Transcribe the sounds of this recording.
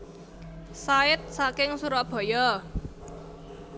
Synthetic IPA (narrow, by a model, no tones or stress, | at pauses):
saɪt̪̚sakɪŋsuɾɔb̥ɔ̤jɔ